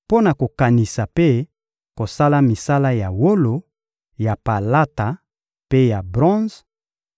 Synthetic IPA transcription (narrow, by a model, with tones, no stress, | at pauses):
po˦na˨ko˨ka˨ni˨sa˨pe˦ | ko˨sa˦la˦mi˨sa˦la˦ja˨wo˦lo˨ | ja˨pa˨la˦ta˨ | pe˦ja˨bʁɔ̃˦z